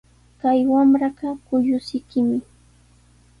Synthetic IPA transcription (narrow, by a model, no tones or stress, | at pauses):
kajwamɾɑɢɑkʊjʊsɪkɪmɪ